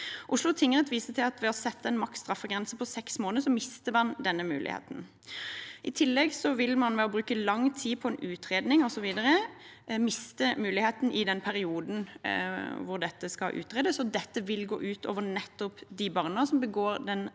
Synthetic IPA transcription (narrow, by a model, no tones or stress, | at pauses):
ʔʊʂlʊt̪ʰɪŋːənət̪ʰʋiːsət̪ʰɪlɑt̪ʋɛɔsɛt̪ːɛnmɑktst̪ɾɑfːəɡʁɛnsəpʰɔsɛksmoːnəsɔmɪst̪əmɑnd̪ɛnːəmʉ̰ːlʔɪ̰hḛːt̪n̩ | ʔɪt̪ʰɪlːɛɡsɔʋɪlmɑnʋɛɔbɾʉːkəlɑŋːt̪ʰiːpʰɔɛnʉːt̪ɾeːd̪nɪŋɔsɔʋiːd̪əɾə | mɪst̪əmʉːlɪheːt̪n̩ʔɪd̪ɛnpʰæɾɪuːd̪n̩ | ʋʊʁd̪ɛt̪ːəskɑ̰ʔʉ̰ːt̪ʁeːd̪əsɔd̪ɛt̪ːəʋɪlɡo̰ːʔʉːt̪ʰo̰ːʋənɛt̪ːɔpd̪ɪbɑʁnəsɔmbəɡoːɾd̪ɛn